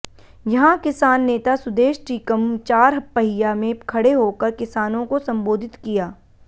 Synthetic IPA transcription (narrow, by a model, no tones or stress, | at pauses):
jɐɦãkɪsaːnːeːt̪asʊd̪eːʃʈiːkəmt͡ʃaːɾɦɐpːɐɦɪjamẽkʰɐɽeɦoːkɐɾkɪsaːnõkosɐ̃mboːd̪ʱɪt̪kijaː